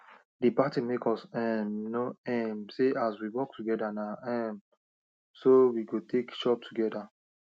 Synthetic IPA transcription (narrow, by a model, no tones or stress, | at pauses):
dipatimekɔsɛmnoɛmseʔaswiwɔk̚tʰuɡɛdanaɛm | sowiɡotʰekʃɔp̚tʰuɡɛda